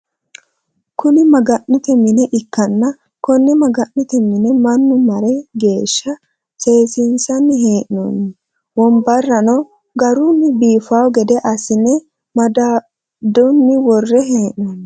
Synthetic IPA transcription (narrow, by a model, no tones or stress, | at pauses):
kʊnɪmɐɡɐʔnɪt̪ɛmɪnɛʔɪkːɐnːɐ | kɔnːɛmɐɡɐʔnɪt̪ɛmːɪnɛmɐnːʊmɐɾɛɡe̞ːʃːɐ | se̞ːsɪnsɐnːɪɦeːʔno̰nːɛ | wɔmbɐrːɐnɔ | ɡɐɾʊnːɪbiːfawɡɛd̪ɛʔɐsɪnɛ | mɐd̪a | d̪ʊnːɪwɔrːɛɦeːʔnonːɛ